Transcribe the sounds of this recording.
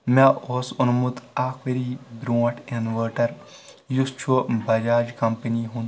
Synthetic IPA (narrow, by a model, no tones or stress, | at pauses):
mẽʔoːsʊnmut̪aːkʰʋeɾiːbɾõːʈʰenʋəːʈɐɾ | just͡ʃʰubɐd͡ʒaːd͡ʒkɐmpəniɦũːnd̪